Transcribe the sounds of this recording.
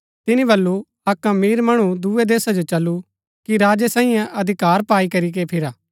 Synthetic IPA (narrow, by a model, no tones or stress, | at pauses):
t̪ɪnĩbɐlːu | ɐkãmiːɾmɐɽ̃ud̪ued̪eːsad͡ʒot͡ʃɐlːu | kiɾaːd͡ʒesãːĩjãʔɐd̪ʱɪkaːɾpaːikɐɾik̬epʰɪɾaː